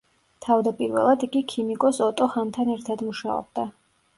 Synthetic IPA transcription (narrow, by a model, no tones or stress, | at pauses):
t̪ʰavd̪apʼiɾvɛ̰lˠad̪iɡikʰimikʼɔsɔt̪ʼɔχant̪ʰanɛɾt̪ʰad̪muʃaɔ̰b̚d̪a